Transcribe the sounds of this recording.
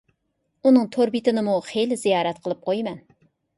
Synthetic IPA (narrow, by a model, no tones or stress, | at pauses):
unɨŋt̪ʰoɾbit̪ɪnɪmuχejlɪzijɑːɾɛt̪qʰəlˠɨp̚qʰojmɛn